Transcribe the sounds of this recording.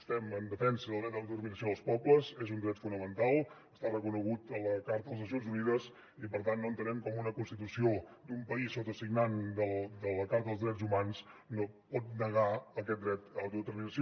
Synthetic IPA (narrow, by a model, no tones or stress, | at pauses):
st̪ɛmənd̪əfɛnsəðəlˠd̪ɾɛt̪əwt̪əɾminəsioðəlˠspɔbləzezund̪ɾɛt̪funəmənt̪alˠəst̪arəkunəɣut̪ələkaɾt̪əðəlˠzəsjonzuniðəz | ipəɾt̪anːoənt̪ənɛmkɔmunəkunst̪it̪usiod̪umpəisot̪əsiɡnand̪əld̪ələkaɾt̪əðəlˠzðɾɛzumansnopɔt̪̚nəɣaəkɛt̪̚d̪ɾɛt̪awt̪uðət̪ərminəsio